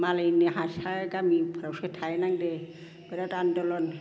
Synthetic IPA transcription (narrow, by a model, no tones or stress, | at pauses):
maleneɦãsaɡamipʰɾawset̪ʰajnaŋde | b̥ɛɾatandɔlɔn